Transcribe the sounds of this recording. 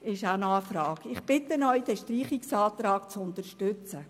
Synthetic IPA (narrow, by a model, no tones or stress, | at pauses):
ɪʃænɑːfɾɑːkɪχpɪt̪ənœʏd̥ɛʃtriːχiksɑːt̪ɾɑːkt͡sʊnt̪əɾʃtʏt͡sə